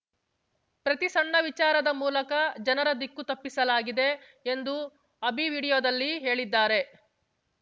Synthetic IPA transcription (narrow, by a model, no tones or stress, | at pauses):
pɾɐt̪isɐɳːɐʋit͡ʃaːɾɐd̪ɐmuːlɐkɐd͡ʒɐnɐɾɐd̪ikːut̪ɐpːisɐlaːɡid̪e̞ː | nd̪u | ɐbiʋiːɽijoːd̪ɐlːiɦe̞ːɭid̪ːaːɾe̞